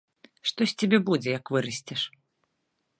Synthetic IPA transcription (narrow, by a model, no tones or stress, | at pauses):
ʂt̪ɔsʲt͡sʲabʲɛbud͡zʲɛjɐkvɨɾɐsʲt͡sʲɛʂ